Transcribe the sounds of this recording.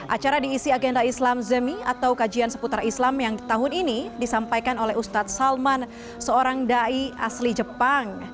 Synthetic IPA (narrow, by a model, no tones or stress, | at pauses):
ʔat͡ʃaɾadiːsiaɡɛndaislamzəmia̰t̪awkad͡ʒiansə̥put̪ɾaislamjaŋt̪aɦʊninidisampajkanolɛust̪at̪̚salman | səoɾaŋdaia̰slid͡ʒəpaŋ